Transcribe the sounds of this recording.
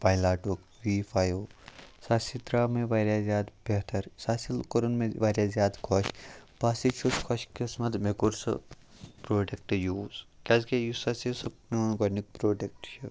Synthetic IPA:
pajlaːʈuk | ʋifʰaːjoːsasit̪ɾaːmẽʋaːɾʲjaːzʲjaːd̪beɦt̪ʰɐɾsaːsilkoɾnmẽʋaːɾjazʲjaːd̪kʰoʃpaːsit͡ʃʰuskʰɐʃkesmɐd̪mekuɾsɐ̰ | pɾoːɖek̚ʈjuːzkʲɐzkejusɐsisɐpnonɡɐnik̚pɾoːɖek̚ʈt͡ʃʰu

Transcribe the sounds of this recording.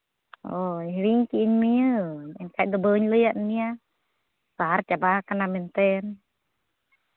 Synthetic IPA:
ɔɛliŋkiːɲmiəɛnkaiʔ̚d̪əbəɲləjaʔnnia | saart͡ʃabakanamɛnt̪ɛn

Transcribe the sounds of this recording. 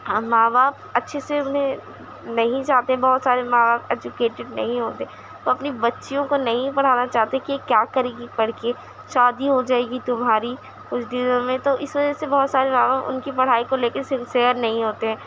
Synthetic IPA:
maːbaːp̚ɐtːʃʰeseʊnɦẽ | nɐɦĩt͡ʃaːɦt̪eɦɛ̃bɔɦʊt̪saːɾemaːbaːpɛːd͡ʒʊkeːʈɪɖ̚nɐ̰ɦĩɦoːt̪eɦɛ | t̪oɐpnibɐtːʃijõkonɐɦĩpɐɽ̤aːnat͡ʃaːɦt̪eɦɛ̃kiekjaːkɐɾeːɡipɐɽ̤ke | ʃaːd̪iɦod͡ʒaːeːɡit̪ʊmɦaːɾi | kʊt͡ʃʰd̪ɪzõmẽt̪oʔɪsʋɐd͡ʒəsebɔɦːt̪saːɾemaːbaːpʊ̰nkipɐɽ̤aːikoleːkɪɾsɪ̃nsiəɾnɐɦĩɦoːt̪eɦɛ̃ː

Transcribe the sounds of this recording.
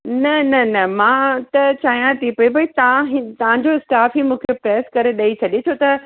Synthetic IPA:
nɐnɐnɐmãːt̪ɐt͡ɕaːɦjãt̪ʰipɐibʱɐit̪ɐãɦt̪ɐʋ̤ãɲd͡ʑoɪsʈaːfɦimũːkʰepɾɛːskɐɾeɗɐit͡ɕʰɐɗet͡ɕʰot̪ɐ

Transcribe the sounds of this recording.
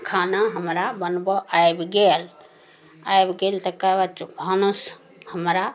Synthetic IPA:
kʰanaɦəmɾabənbɔʔajbɡel | ajbɡelt̪əkabat͡ʃbʱɔnus | həmɾa

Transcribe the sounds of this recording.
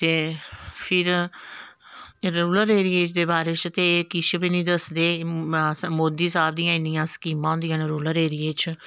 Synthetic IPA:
t̪eːpʰɪɾ | ɾɾuːləɾeːɾieːt͡ʃd̪eːbaːɾeːt͡ʃət̪eːkɪʃbinĩːd̪əsd̪eː | moːd̪iːsaːbd̪ijãːɪnijãːskiːmãːɦʊnd̪ijãːnɾoːləɾeːɾieːt͡ʃ

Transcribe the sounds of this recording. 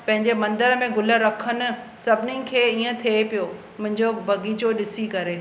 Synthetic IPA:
pɐ̃ɦɪ̃ɲd͡ʑemɐ̃nd̪əɾmẽɡʊləɾɐkʰənʊ̆sɐbʱɪnikʰeːiːə̃t̪ʰepijo | mʊ̃ɦɪ̃ɲd͡ʑobʱɐɡit͡ɕoɗɪsikɐɾeː

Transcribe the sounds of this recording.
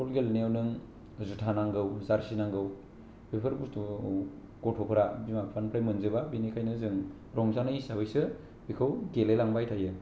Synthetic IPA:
pʰɔlɡelneawnɯŋ | zutʰanaŋɡɯwzaɾsinaŋɡɯw | pʰepʰɯɾbustu | ɡ̥ɔtʰɔpʰɯɾabimapʰanpʰlajmɯnzɯbabinikʰajnɯzɯŋ | ɾɔŋsanɯisaβɯjsɯ | bikʰɯwɡelelaŋbajtʰajɯ

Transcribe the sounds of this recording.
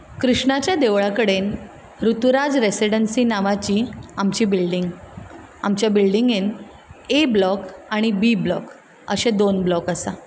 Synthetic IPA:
kɾuʂɳat͡ɕjad̪eʋɭakəɽen | ɾut̪uɾad͡zɾesiɽənsiːnaʋat͡ɕiːamt͡ɕiːbilɖiŋɡ | a̰mt͡ɕjabilɖiŋɡen | eblɔkaɽ̃ibiblɔ̰k | ə̰ɕed̪onblɔkəsa

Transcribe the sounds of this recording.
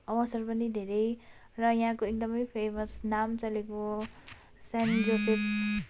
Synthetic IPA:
ʌwʌsʌrpʌnid̪ʱeɾʌj | rʌjãɦãkoek̚d̪ʌmʌjpʰemʌsnamt͡sʌleko | sand͡ʒoset

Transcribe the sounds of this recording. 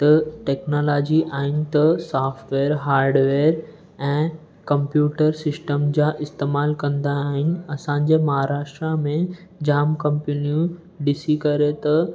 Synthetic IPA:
t̪ɐʈeːknoːlaːd͡ʑiʔaːɦɪnɪ̆t̪ɐsaːfʈʋeːɾɦaːɾɖʋeːɾ | ɛ̃ː | kɐ̃mpjuːʈəɾsɪsʈəmd͡ʑaːʔɪst̪eːmaːlkɐ̃nd̪aːɦɪnɪ̆ɐsãːɲ̆d͡ʑemɐɦaːɾaːʃʈɾamẽd͡ʑaːmkɐ̃mpenijũ | ɖɪsikɐɾet̪ɐ

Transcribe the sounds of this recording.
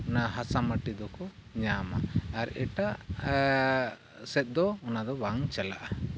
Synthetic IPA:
ɔnaɦasaməʈid̪ɔkɔɲama̰ːɾɛ̰ʈa | sɛt̪̚ˀd̪ɔɔnad̪ɔbaŋt͡ʃɛlaʔa

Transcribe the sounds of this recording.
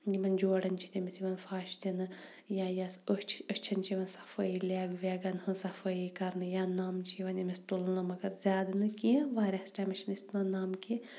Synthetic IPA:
ɡimɐnd͡ʒoːɽɐnt͡ʃʰit̪ʲimisiʋɐnfaːʃd̪ʲɐnɨ | jajasət͡ʃʰəʃt͡ʃʰɐnt͡ʃiʋɐnsɐ̥fɐjilʲaːɡʋʲeɡɐnhɨsɐfɐjikɐɾnɨjaːnaːmt͡ʃʰiʋɐnjɐmʲist̪ulɨnɐmɐɡɐɾzʲaːd̪ɐnɨkiʋaːɾʲasʈɐmɐʃinist̪unɐnaːmki

